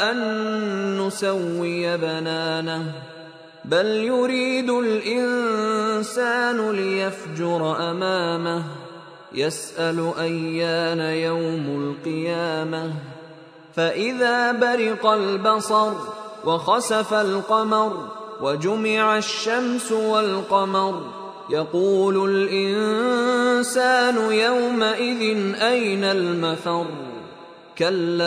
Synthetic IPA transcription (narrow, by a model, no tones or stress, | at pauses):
ʔanː | ʊsawːɪjabanaːnah | baljʊɾiːd̪ʊlʔɪn | saːnʊlɪjafd͡ʒʊɾˤʔamaːmah | jasʔalʔajːaːnajawmalqɨjaːmah | faʔɪðaːbaɾɪqalbɑsˤɑɾˤwʔɑxɑsafalqɑmɑɾˤwad͡ʒʊmɪʕaʃːamsʊwalqɑmɑɾˤ | jɑquːlʊlʔɪn | saːnʊjawmaʔɪðɪnʔajnalmaθɑɾˤ | kalː